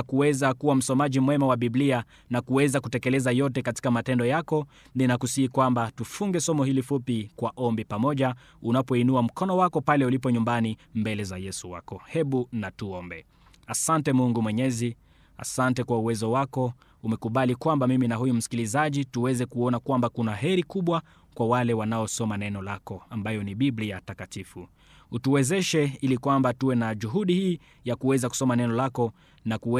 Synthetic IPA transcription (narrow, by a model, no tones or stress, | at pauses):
akuwɛzakuwam̩sɔmaʄimwɛmawaɓiblia | nakuwɛzakutɛkɛlɛzajɔt̬ɛkati̥kamatɛndɔjakɔ | ninakusiikwambatufuŋɡɛsɔmɔhilifupikwaʔɔmbipamɔʄa | unapɔinuam̩kɔnɔwakɔpalɛulip̬ɔɲumbanimbɛlɛzajɛsuwa̰kɔhɛɓunatuɔmbɛ | asantɛmuŋɡumwɛɲɛzi | a̰santɛkwauwɛzɔwakɔ | umɛkuɓalikwambamiminaɦujum̩si̥kilizaʄituwɛzɛkuɔnakwambakunaɦɛɾikuɓwa | kwawalɛwanaɔsɔmanɛnɔlakɔambajɔniɓibliatakatifu | utuwɛzɛʃɛilikwambatuwɛnaʄuɦuɗihiː | jakuwɛzaku̥sɔmanɛnɔlakɔ | nakuɛ